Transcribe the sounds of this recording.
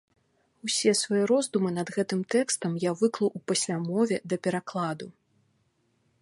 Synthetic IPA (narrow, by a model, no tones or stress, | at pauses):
usʲɛsvajɛɾɔzd̪umɨnɐd̪ɣɛt̪ɨmt̪ɛkst̪ɐmjavɨklˠɐʔupɐsʲlʲamɔvʲɛd̪ɐpʲɛɾaklˠad̪u